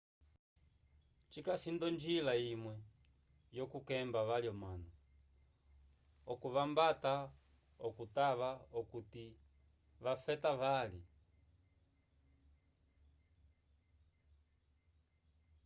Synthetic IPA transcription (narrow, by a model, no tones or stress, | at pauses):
t͡ʃikasindɔnd͡ʒilaimwɛ | jɔkukɛmbaʋaljɔmanɔ | ɔkuʋambata | ɔkutaβaɔkuti | ʋafɛtaʋali